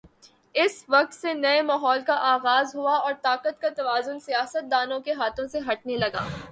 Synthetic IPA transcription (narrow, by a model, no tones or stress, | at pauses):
ɪsʋɐq̚t̪senɐemaːɦɔːlkaʔaːɣaːzɦuaɔːɾt̪aːqət̪kat̪ɐʋaːzʊnsijaːsət̪̚d̪aːnõkeɦaːt̪ʰõseɦɐʈ̚nelɐɡa̰ː